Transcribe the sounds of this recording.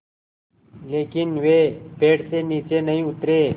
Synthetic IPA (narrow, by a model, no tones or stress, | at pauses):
leːkɪnʋeːpeːɽseːniːt͡ʃeːnəĩːʊt̪ɾeː